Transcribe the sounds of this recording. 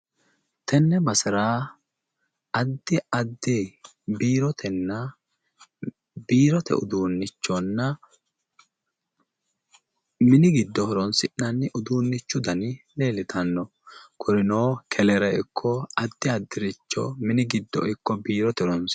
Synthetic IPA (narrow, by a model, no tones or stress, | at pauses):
t̪ʰɛnːɛbɐsɪɾaː | ɐd̪ːɪɐd̪ːɪ | biːɾɔt̪ʰɛnːɐ | biːɾɔt̪ɛ̰ʊ̰d̪uːnːɪt͡ʃːɔnːɐ | mɪnɪɡɪd̪ːɔhɔɾɔnsɪʔɐnːɪʔʊd̪uːnːɪt͡ʃːʊd̪ɐnɪleːlɪt̪ʰɐnːɔ | kʰʊɾɪnoːkʰɛlɛɾɛɪkʰːɔɐd̪ːɪɐd̪ːɪɾɪt͡ʃːɔ̰mɪnɪɡɪd̪ːɔ̰ʔɪkːɔbiːɾɔt̪ɛɾɔns